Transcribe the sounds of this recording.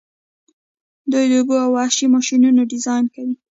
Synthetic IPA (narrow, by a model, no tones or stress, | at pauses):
d̪ujd̪əʊɡoawaʃimɑʃinunoɖɪzɑjnkawi